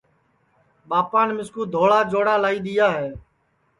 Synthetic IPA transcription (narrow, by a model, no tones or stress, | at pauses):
ɓaːpaːnmɪskuːd̪ʱoːɭaːd͡ʒoːɽaːlaːiːɗ̪ɪjaːɦɛː